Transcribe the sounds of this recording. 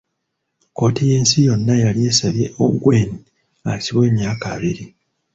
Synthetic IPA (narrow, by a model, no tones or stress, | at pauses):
ko̞tije̞ːnsijo̞nːajalije̞ːsaβje̞ʔo̰ɡwe̞ːni | asiβwe̞ːmjaːka̰βiɾi